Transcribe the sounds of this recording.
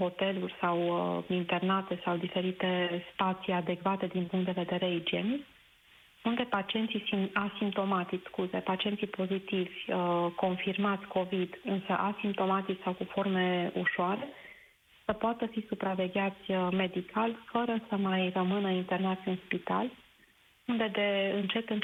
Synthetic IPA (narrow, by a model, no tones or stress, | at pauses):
ho̞t̪e̞lurʲsawint̪e̞rnat̪e̞sawd̪ife̞ɾit̪e̞spat̪siad̪e̞kvat̪e̞d̪inpuŋkt̪d̪eve̞d̪e̞ɾeid͡ʒe̞nik | und̪e̞pat͡ʃie̞nt̪sisiasimp̚t̪o̞mat̪it͡ʃskuze̞pat͡ʃiesipo̞zit̪ivʲəko̞nfirmat̪sʲko̞vid̪ɨnsə̰ʔasimp̚t̪o̞mat̪it͡ʃsawkufo̞rme̞ṵʃoaɾe̞ | səpoat̪əfisupɾave̞ɡʲat̪sʲəme̞d̪ikʰalʲfəɾəsəmajrəmɨnəint̪e̞rnat̪sʲɨnspit̪a̰l | und̪e̞d̪e̞ɨnt͡ʃe̞t̪ɨn